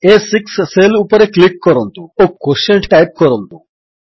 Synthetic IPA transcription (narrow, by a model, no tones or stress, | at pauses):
esiksːelupəɾeklikːɔɾont̪uokːoʃɐɳʈʈajp̚kɔɾont̪u